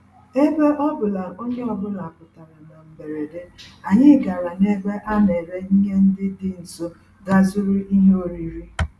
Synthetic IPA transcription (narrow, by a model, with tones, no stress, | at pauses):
e˦be˦ʔɔ˦bʊ˨la˨o˦ɲe˦ɔ˦bʊ˦la˨a˨pʊ˨ta˨ɾa˨na˨m̩˨be˨ɾe˨de˦a˨ɲɪ˦ɡa˨ɾa˨ne˦be˦ʔa˦ne˨ɾe˦i˦ɦe˦n̩˦dɪ˦dɪ˦n̩˨so˦ | ɡa˦zʊ˦ɾʊ˦i˦ɦe˦o˦˨ɾi˨ɾi˦